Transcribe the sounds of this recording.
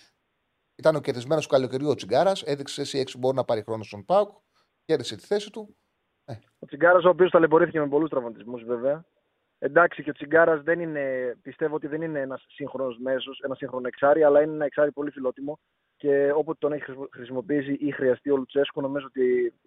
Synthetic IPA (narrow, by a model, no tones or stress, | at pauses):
it̪ɐneo̞ceɾðizme̞nosukɐloceɾʝuot͡siɡɐɾɐse̞ðiksesesie̞ksibo̞ɾinɐpɐɾixɾo̞nost̪o̞npɐuk | ce̞ɾðise̞t̪i̥θe̞sit̪u | e | o̞t͡siŋɡɐɾɐso̞ːpio̞st̪ɐlebo̞ɾiθiceme̞po̞lust̪ɾɐvmɐt̪izmuzve̞veɐ | e̞nd̪ɐksiceot͡siɡɐɾɐzðenine̞pist̪e̞voot̪iðe̞nineenɐsːiŋxɾo̞nozme̞sose̞nɐsiŋxɾo̞noeksɐɾiɐlɐineenɐe̞ksɐɾipo̞lifilo̞t̪imo̞ | ce̞o̞pot̪o̞neçixɾisimo̞piis̬iʔixɾiɐst̪io̞lut̪ut͡se̞skuno̞mizoot̪i